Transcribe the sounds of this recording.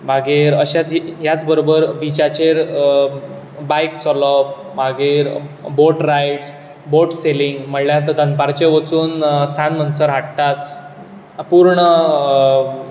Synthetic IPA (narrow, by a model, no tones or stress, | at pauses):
bʱaɡeɾəɕat͡sjat͡sbəɾobəɾbit͡ɕat͡ɕeɾ | bajk̚t͡sɔlɔp̚ | bʱaɡeɾboʈɾajʈs | boʈseliŋɡməɽljat̪əd̪ʱãnpaɾt͡ɕeʋət͡suːnsãnmənsəɾɦaʈt̪at̪ | puɾɳə